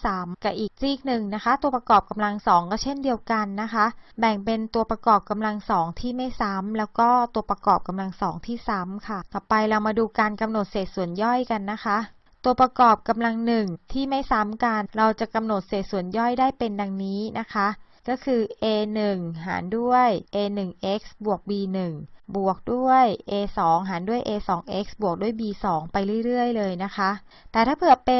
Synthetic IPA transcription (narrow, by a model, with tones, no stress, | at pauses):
saː˩˦mka˧˩ʔiː˨˩k̚ɾiː˥˩k̚nɯ˨˩ŋna˦˥kʰa˦˥t̪u˧ɐpɾa˧kɔː˨˩p̚ka˧mla˧ŋsɔː˩˦ŋkɔː˥˩t͡ɕʰe˥˩ndi˧əwka˧nːa˦˥kʰa˦˥ʔbɛ˨˩ŋpe˧nt̪u˧ɐpɾa˧kɔː˨˩p̚ka˧mla˧ŋsɔː˩˦ŋt̪ʰiː˥˩ma˥˩jsa˦˥mlɛː˦˥wkɔː˥˩t̪u˧ɐpɾa˧kɔː˨˩p̚ka˧mla˧ŋsɔː˩˦ŋt̪ʰiː˥˩sa˨˦˥mkʰa˥˩t̪ɔː˨˩pa˧jɾa˧wmaː˧duː˧kaː˧nka˧mno˨˩t̪̚seː˨˩t̪̚su˨˩˦ənjɔ˥˩jka˧nːa˦˥kʰa˦˥ʔ | t̪u˧ɐpɾa˧kɔː˨˩p̚ka˧mla˧ŋnɯ˨˩ŋt̪ʰiː˥˩ma˥˩jsa˦˥mka˧nɾa˧wt͡ɕa˨˩ka˧mno˨˩t̪̚seː˨˩t̪̚su˨˩˦ənjɔ˥˩jdaː˥˩jpe˧nda˧ŋniː˦˥na˦˥kʰa˦˥ʔkɔː˥˩kʰɯː˧ʔeː˧nɯ˨˩ŋɦa̰ː˩˦ndu˥˩əjʔeː˧nɯ˨˩ŋʔe˦˥k̚sbu˨˩ək̚biː˧nɯ˨˩ŋbu˨˩ək̚du˥˩əjʔeː˧sɔː˩˦ŋɦaː˩˦ndu˥˩əjʔeː˧sɔː˩˦ŋʔe˦˥k̚sbu˨˩ək̚du˥˩əjbiː˧sɔː˩˦ŋpa˧jɾɯ˥˩jɾɯ˥˩əjlɤː˧jna˦˥kʰa˦˥ʔ | t̪ɛː˨˩t̪ʰaː˥˩pʰɯ˨˩əpe˧